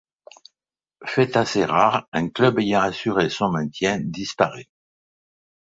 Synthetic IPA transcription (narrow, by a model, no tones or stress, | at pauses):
fɛt̪aseʁaʁɛ̃klœbejɑ̃asyʁesɔ̃mɛ̃t̪jɛ̃d̪ispaʁy